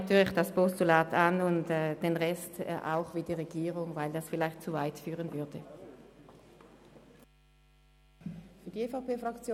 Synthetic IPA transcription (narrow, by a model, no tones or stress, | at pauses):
tyːɐlɪçd̥aspɔstulaːtanʊntɛːd̥enʁɛstːʔa̰ʊχviːdiːʁeɡ̥iːʁʊŋvaɪldasfɪlaɪxt̚t͡suvaɪtfyːʁənvʏɐd̥ə | fyːɐdiefaʊpeːfʁɑkt͡sjo